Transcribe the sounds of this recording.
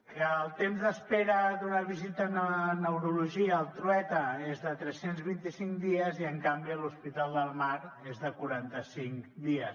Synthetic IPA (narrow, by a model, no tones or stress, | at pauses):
kəːlˠt̪emzðəspeɾəd̪unəβizit̪ənənəwɾuluʒiəːlˠt̪ɾuɛt̪əezðət̪ɾɛsenzβint̪isiŋkd̪iəziəŋkambiəluspit̪alˠd̪əlˠmaɾezðəkuɾant̪əsiŋd̪iəs